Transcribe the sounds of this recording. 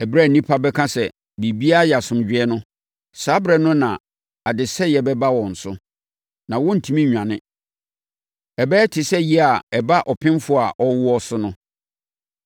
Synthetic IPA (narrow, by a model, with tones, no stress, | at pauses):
ɛ˨bɾɛ˦˨nĩ˦pʰa˦bɛ˦kʰã˦sɛ˨ | bi˨bi˦a˦˨jɛ˨a˨sʊ̃˨m˨d͡ʑᶣɪ˦ɛ˦nʊ̃˦ | saː˨˦bɾɛ˨nʊ̃˦nã˨ | a˨dɪ˨sɛ˦jɛ˨bɛ˦ba˦wɔ̃˨n̩˨sʊ˦ | nã˨wɔ̃˦n̩˨tʰũ˦mĩ˦ɲᶣã˨nɪ̃˦ | ɛ˨bɛ˦tʰɪ˨sɛ˦ji˦a˨ɛ˨ba˦ʔɔ˨pʰɪ̃˦m˦fʊ˦˨a˨ʔɔ˦wʊ˦ɔ˦sʊ˦nʊ̃˦